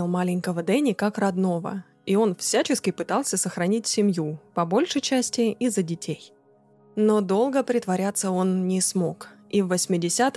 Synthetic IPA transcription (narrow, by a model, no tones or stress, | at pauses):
ɪlˠmalʲɪŋʲkəvəd̪ɛnʲɪkakrɐd̪no̞və̰ | io̞nfsʲæt͡ɕɪskʲɪpɨt̪ɑlˠsʲəsəxɾɐnʲitʲsʲɪmʲjupɐbo̞lʲʂəjt͡ɕæsʲtʲɪizədʲɪtʲʰej | no̞d̪o̞lˠɡəpɾʲɪt̪vɐɾʲat̪sːəo̞nːʲɪsmo̞kivːəsʲmʲɪdʲɪsʲat̪